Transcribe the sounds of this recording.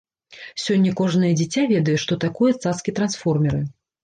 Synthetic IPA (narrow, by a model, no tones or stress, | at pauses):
sʲɔnʲːɐkɔʐnɐjɐd͡zʲit͡sʲavʲɛd̪ɐjɛʂt̪ɔt̪akɔjɛt̪saskʲit̪ɾansfɔrmʲɛɾɨ